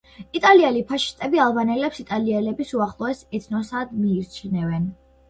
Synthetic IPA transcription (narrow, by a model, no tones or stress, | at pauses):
it̪ʼaliɛlipʰaʃi̥st̪ʼɛbialˠbanɛlɛpsit̪ʼaliɛlɛbisuaχlˠɔɛsɛt̪ʰnɔsad̪miːɾt͡ʃʰnɛvɛn